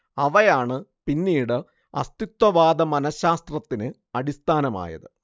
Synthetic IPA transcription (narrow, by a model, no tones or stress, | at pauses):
ɐʋɐjaːɳɨpinːiːɽɨ | ɐ̰st̪it̪wɐʋaːd̪ɐmɐnɐɕaːst̪rɐt̪ːinɨ | ɐɽist̪ʰaːnɐma̰ːjɐ̰ðɨ